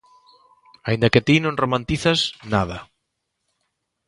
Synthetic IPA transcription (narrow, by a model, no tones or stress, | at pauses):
aind̪aket̪inõŋromãnt̪iθasnað̞a